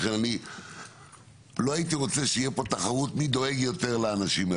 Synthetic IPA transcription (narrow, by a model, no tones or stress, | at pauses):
enani | lo̞ait̪iʁo̞t͡seʃeijepo̞t̪aχaʁut̪mid̪o̞e̞ɡjo̞t̪e̞ʁleanaʃim